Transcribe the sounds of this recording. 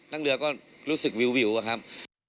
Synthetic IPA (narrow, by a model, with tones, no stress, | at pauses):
na˧ŋlɨ̰˨˩əkɔ˧˩n | lu˧˦sɨ˨˩k̚vi˧˩˨wvi˧˩˦wkhaː˧˩m